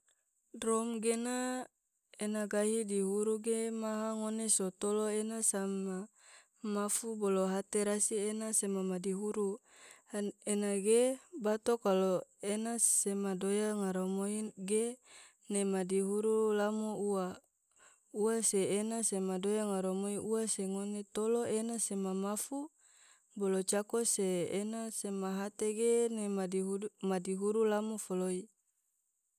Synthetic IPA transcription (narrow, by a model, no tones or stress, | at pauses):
dɾomɡena | enaɡaɦidiɦuɾuɡemaɦaŋonesot̪oloenasama | mafuboloɦat̪eɾasienasemamadiɦuɾu | enaɡebat̪okaloenasemadojaŋaɾomoiɡe | nemadiɦuɾulamoua | uaseːnasemadojaŋaɾomoiʔuaseŋonet̪oloenasemamafu | bolot͡ʃakoseːnasemaɦat̪eɡenemadiɦmadiɦuɾulamofoloi